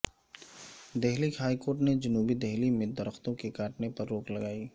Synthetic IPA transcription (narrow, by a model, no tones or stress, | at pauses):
d̪ɛɦlihaːikoːɾʈned͡ʒʊnuːbid̪ɛɦlimẽd̪ɐɾəxt̪õkekaːʈnepɐɾːoːklɐɡaːiː